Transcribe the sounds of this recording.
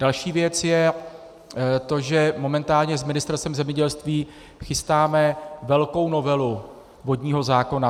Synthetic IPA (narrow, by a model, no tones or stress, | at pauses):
d̥alʃiːvjɛt͡sjɛ | t̪o̞ʒɛmo̞mɛnt̪aːlɲɛzmɪnɪst̪ɛɾst̪ɛmzɛmɲɛɟɛlst̪viː | xɪst̪aːmɛvɛlko̞wno̞vɛlu | vo̞dɲiːɦo̞zaːko̞na